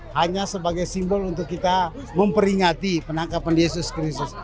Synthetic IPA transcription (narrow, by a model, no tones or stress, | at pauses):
haɲasəbaɡajsimbɔlunt̪ʊkːit̪a | məmpəɾiŋat̪ipənaŋkapanjesʊskɾist̪ʊs